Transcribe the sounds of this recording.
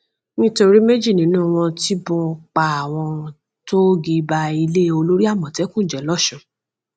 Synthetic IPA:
nĩ˦to˧ɾi˦me˦d͡ʒi˦˨nĩ˨˦nũ˦˨w̃ɔ̃˧ti˦bɔ̃˧k͡pa˧˦a˨w̃ɔ̃˧ | to˦ɡi˧ba˧i˧le˦o˧lo˦ɾi˦a˦˨mɔ̃˨tɛ˨˦kũ˦˨d͡ʒɛ˨˦lɔ˦˨ʃɔ̃˨

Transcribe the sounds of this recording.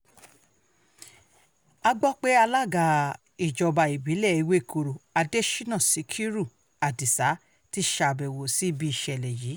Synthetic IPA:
a˧ɡ͡bɔ˦k͡pe˦a˧la˦˨ɡa˧˨ | i˨d͡ʒɔ˨ba˧i˨bi˨˦lɛ˦˨i˨˧we˦˨kʰo˧ɾo˨a˧de˦ʃi˦nã˦˨si˨˦kʰi˦ɾu˦˨ | a˨di˨sa˨˦ | ti˦ʃa˧˨bɛ˨wo˨si˦bi˧i˨ʃɛ˧˨lɛ˨ji˨˦

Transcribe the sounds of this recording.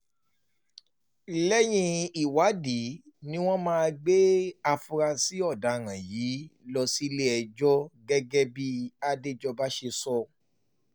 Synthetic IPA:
lɛ˦j̃ĩ˧i˨wa˨˦di˨˦ | nĩ˦w̃ɔ̃˦mãː˦a˧ɡ͡be˦a˧fu˧ɾa˧si˦ɔ˦˨da˨ɾã˨jiː˨˦lɔ˧si˦le˦ɛ˧d͡ʒɔ˦ɡɛ˦ɡɛ˦bi˦a˧de˦d͡ʒɔ˧ba˦ʃe˧sɔ˧

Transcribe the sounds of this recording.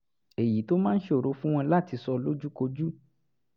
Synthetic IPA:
e˨ji˨˦to˦mãː˦n̩˦ʃe˧o˨ɾo˨˦fũ˦w̃ɔ̃˧la˦˨ti˧sɔ˧lo˦d͡ʒu˦ko˧d͡ʒu˦

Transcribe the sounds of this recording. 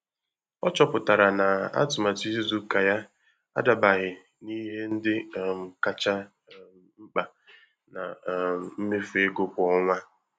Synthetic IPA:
ɔ˦t͡ʃɔ˦pʊ˨ta˨ɾa˨na˨a̰˦tʊ˨ma˨ti˦zzu˦ka˨ja˦ | a̰˦da˨ba˨ɣɪ˨ | ni˦ɦe˦n̩˦dɪ˦˨m̩˨ka˦t͡ʃa˦ | ŋ͡m̩˦k͡pa˨ | na˨m̩˦me˦fe˦ɡo˦pʊ˨ɔ˦ŋʷa˦

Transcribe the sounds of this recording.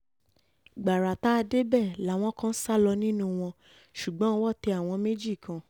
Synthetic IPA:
ɡ͡ba˨ɾa˨ta˨˦˧de˦bɛ˦˨la˨˦˨w̃ɔ̃˧˦kã˦n̩˦sa˦lɔ˧nĩ˦nũ˦w̃ɔ̃˧ | ʃu˨ɡ͡bɔ̃˨˦˧wɔ˦˨tɛ˧a˨w̃ɔ̃˧me˦d͡ʒi˦˨kã˧˨

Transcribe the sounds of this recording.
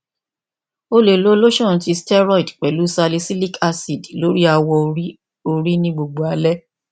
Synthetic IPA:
o˧le˨lo˨˦lo˦ʃɔ̃˦˨n̩˨˦ti˧stɛ˦ɾɔ˦˨i˨dk͡pɛ˨lu˦sa˧le˧si˦li˦kʰa˧si˨dlo˨˦ɾi˦a˧wɔ˧i˦ | o˧ɾi˦nĩ˦ɡ͡bo˧ɡ͡bo˨a˧lɛ˦

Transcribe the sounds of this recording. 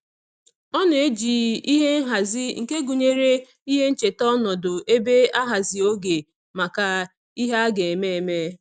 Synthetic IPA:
ɔ˦n˨e˦d͡ʒiː˨i˦ɦe˦ŋ̩˦ɦa˨zɪ˦ŋ̩˨ke˦ɡu˨ɲe˦ɾe˦ | i˦ɦe˦n̩˦t͡ʃe˨tɔ˦nɔ˨dʊ˨ʔe˦be˦a˦ɦa˨zi˨o˦ɡe˨ | ma˨ka˨ | i˦ɦa˦a˦ɡe˨e˨me˦e˨me˦

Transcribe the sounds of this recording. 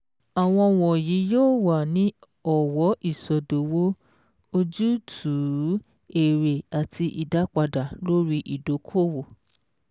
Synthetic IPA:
a˨w̃ɔ̃˧wɔ˨ji˨˦joː˦˨wa˨nĩ˨˦ | ɔ˦˨wɔ˨˦i˦˨sɔ˨do˨wo˦ | o˧d͡ʒu˦tʰu˨˦ | e˨ɾe˨a˨tʰi˧ʔi˨da˨˦k͡pa˧da˨lo˦ɾi˦ʔi˨do˨˦kʰo˦˨wo˨

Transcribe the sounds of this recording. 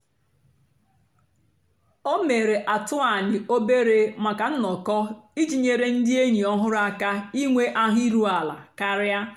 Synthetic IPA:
o˦me˨ɾe˨ʔa˨tʊ˦a˨nɪ˨o˦be˦ɾe˦ma˨ka˨n̩˦nɔ˨kɔ˦i˦d͡ʒi˨ɲe˨ɾe˦n̩˦dɪ˦e˦ɲi˨ɔ˦ɦʊ˦ɾʊ˦a˨ka˦i˦ŋʷe˦ʔa˦ɦʊ˦i˦ɾu˦a˨la̰˨ka˦ɾja˦

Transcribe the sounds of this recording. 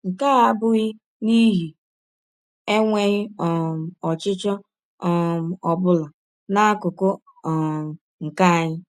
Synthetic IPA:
ŋ̩˨ka˦a˦bʊ˦ɣɪ˦ | ni˦ɦi˨ | e˦ŋʷe˦ɣɪ˦ɔ˨m̩˨ɔ˨t͡ʃɪ˦t͡ʃɔ˦˨ | m̩˨ɔ˨bʊ˦la˨ | na˦kʊ˨kʊ˦˨ | ŋ̩˨ka˦˨ɲɪ˦

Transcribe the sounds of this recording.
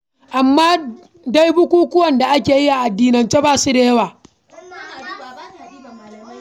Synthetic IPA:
ʔa˨mːaː˦ | da˦jbʊ˦kʷuː˦kʷʊ˦wɐ˨nda˨ʔa˦kʲeː˨ji˦ʔa˨ʔa˨dːiː˨nɐ˨nt͡ʃe˦baː˨su˦deː˦jwaː˨˦˨

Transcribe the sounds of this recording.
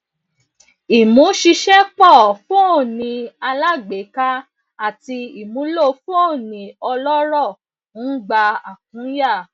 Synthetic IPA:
i˨mũ˨˦ʃi˧ʃɛ˦k͡pɔ˦˨fo˦˨nĩ˧a˧la˦ɡ͡be˨˦ka˦ | a˦˨ti˧i˦˨mũ˨˦lo˦˨fo˦˨nĩ˨ɔ˧lɔ˦ɾɔ˦˨˦ | ɡ͡ba˧a̰˨k̚ũ˨˦ja˦˨

